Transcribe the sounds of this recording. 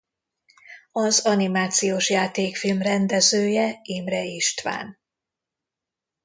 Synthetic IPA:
ɒzɒnimaːt̪sijoːʃjaːt̪eːkfilmrɛnd̪ɛzøːjɛeːmrɛiʃt̪ʋa̰ːn

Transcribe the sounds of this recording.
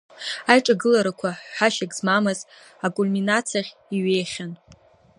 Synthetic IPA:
ajʈ͡ʂʼaɡɨlaɾakʷʰaħħaʃakʼzmamɨz | akʼulminat͡sʰaχʲiɥe̞jχʲan

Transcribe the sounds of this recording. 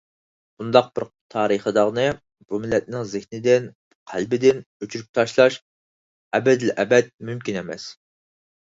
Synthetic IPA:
b̥und̪ɑq̚b̥ɪɾ | t̪ʰɑːɾəχəd̪əʁnɨ | b̥umɪlːɛt̪̚nɪŋzɪhnɪd̪ɪn | qʰælbɪd̪ɪnøt͡ʃʰyɾyp̚t̪ʰɑʃlˠɑʃ | ɛbɛd̪ɪlʔɛbɛt̪̚mymkʲinɛmɛ̰s

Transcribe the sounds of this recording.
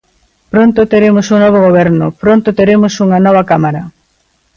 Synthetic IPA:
pɾont̪ʊt̪eɾemʊsunɔβ̞oɣoβ̞ɛɾnʊpɾont̪ʊt̪eɾemʊsuŋɐnɔβɐkamaɾɐ

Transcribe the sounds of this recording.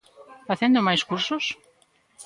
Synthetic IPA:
faθɛnd̪ʊmajskuɾsʊs

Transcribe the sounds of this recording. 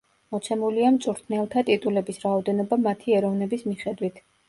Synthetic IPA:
mɔt̪sʰɛmuliamt̪sʼuɾt̪ʰnɛlˠt̪ʰat̪ʼit̪ʼulɛbisɾaɔd̪ɛnɔbamat̪ʰiɛɾɔvnɛbismiχɛd̪wit̪ʰ

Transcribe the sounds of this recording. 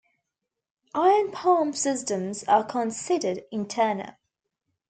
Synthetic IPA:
ʔaɪə̃npʰɑə̃msɪstə̃mzəkʰə̃nsɪdədɪ̃ntʰɜːnə̰lˠ

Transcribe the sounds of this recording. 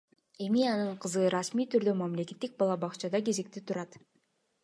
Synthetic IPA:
e̞miɑnɯɴqʰɯzɯɾɑsmiːt̪ʰyɾd̪ømamle̞kʲe̞t̪ːik̚bɑlˠɑbɑqt͡ʃɑd̪ɑke̞ze̞k̚t̪it̪ʰuɾɑt̪

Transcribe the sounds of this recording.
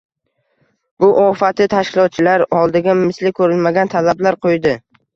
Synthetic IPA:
bʊʔɒfat̪ʰɪt̪ʰaʃkʲɪlˠɒt̪̚t͡ʃʰɪlaɾɒlˠd̪ɪɡʲamɪslɪkʰɵɾɪlmaɡʲant̪ʰalablaɾqʰojd̪ɪ

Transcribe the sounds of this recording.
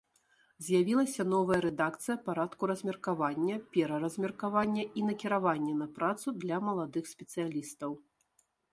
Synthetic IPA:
zʲjavʲilˠɐsʲɐnɔvɐjɐɾɛd̪akt̪sɨjɐpaɾat̪kuɾɐzʲmʲɛrkavanʲːɐpʲɛɾɐɾɐzʲmʲɛrkavanʲːɐʔinɐkʲiɾavanʲːɛnɐpɾat̪sud̪lʲɐmɐlˠad̪ɨxsʲpʲɛt̪sɨjalʲist̪ɐw

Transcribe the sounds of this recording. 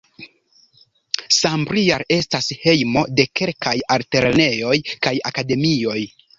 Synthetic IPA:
sambɾiaɾe̞stashe̞jmo̞de̞ke̞lkajalte̞ɾene̞jo̞jkajakade̞mio̞j

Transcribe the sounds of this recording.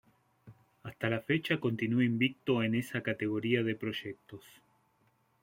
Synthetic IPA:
ast̪alafe̞t͡ʃako̞nt̪inueimbik̚t̪o̞ene̞sakat̪e̞ɣ̞o̞ɾiaðe̞pɾo̞ʒek̚t̪o̞s

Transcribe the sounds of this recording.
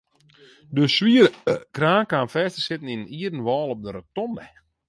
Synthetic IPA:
døswiərəkraːnkaːnfɛːstəsɪtən̩inəniədən̩ʋɔːlˠɔp̚dəɾətɔndɛ

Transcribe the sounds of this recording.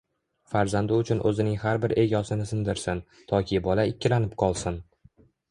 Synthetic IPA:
faɾzand̪ɪʊt͡ʃʰʊnʔɵzɪnɪŋhaɾbɪɾe̞ɡʲɒsɪnɪsɪnd̪ɪɾsɪn | t̪ʰɒkʲʰɪbɒlaɪkʲːɪlanɪpqʰɒlˠsɪn

